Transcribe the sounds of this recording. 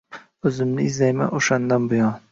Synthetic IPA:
ɵzɪmnɪɪzlajma̰ʔoʃand̪anbʊjɒn

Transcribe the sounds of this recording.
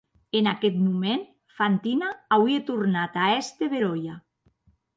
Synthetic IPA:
enakɛt̪mumen | fant̪inaawiet̪uɾnat̪aɛst̪eβeɾoja

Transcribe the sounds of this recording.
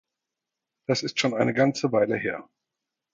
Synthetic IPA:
d̥asɪstʃoːnaɪnəɡant͡səvaɪləɦeːɐ

